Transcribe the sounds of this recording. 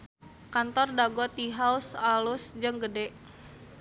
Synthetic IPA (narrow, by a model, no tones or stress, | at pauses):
kant̪ɔrdaɡɔt̪iɦausalʊsd͡ʒɨŋɡədɛʔ